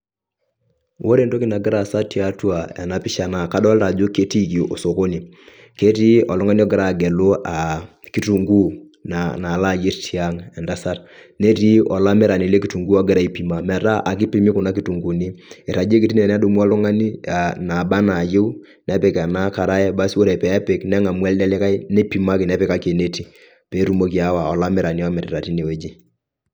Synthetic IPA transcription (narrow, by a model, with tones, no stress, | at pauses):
wo˦ɾe˦ndo˦kɪ˦na˨ɡɪ˦ɾa˨sa˦ti˦a˦twa˨ɛ̰˨na˨pɪ˦ʃa˨na˦ka˦dɔ˦lɾa˨d͡ʒo˦ke˦ti˦ki˨ʔo˨so˨ko˦ni˨ | ke˦ti˦ɔ˨lɔ˦ŋa˦ni˦ɔ˦ɡɪ˦ɾa˦˨ɡɛ˨lo˦a˨ | ki˦tu˨ŋɡu˦ | nana˨la˦˨je˦ɾtʰi˦a˦ŋɛ˨nda˦sa˦ɾne˦ti˦ɔ˨la˦mɛ˦ɾa˨ni˨le˦ki˨˦tu˨ŋɡu˦ɔ˨˦ɡɛ˦ɾa˨i˦pi˨ma˨mɛ˨ɾa˦ʔa˨k̬i˦pi˦mi˦kʊ˨na˦ki˦tu˨ŋɡu˨ni˦ɛ˨ɾa˨d͡ʒe˦k̬i˨ti˦nɛ˨nɛ˦du˨mu˦a˦lɔ˦ŋa˦ni˦a˨na˨ba˦na˨je˦w | nɛ˦pɛ˨kɛ˨na˦ka˨ɾa˦jɛ˦ba˦so˦ɾɛ˨pɛ˨ɛ˦pɪ˨˦knɛ˦ŋa˨mwɛ˦ldɛ˦lɪ˦ka˦jnɛ˦pi˨ma˦kɪ˨nɛ˦pɪ˨ka˦ke˨ne˦ti˨ | pɛ˨˦ɾu˦mo˦ki˨a˦wa˨ɔ˨la˦mɛ˦ɾa˨ni˦ɔ˦mɛ˨ɾɪ˨ɾa˨ti˦ne˨we˦d͡ʒi˦